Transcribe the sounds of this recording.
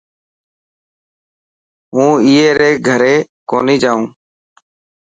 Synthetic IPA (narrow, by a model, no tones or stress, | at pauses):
ɦũːiːeːɾeːɡʱəɾeː | koːniːd͡ʒaːũː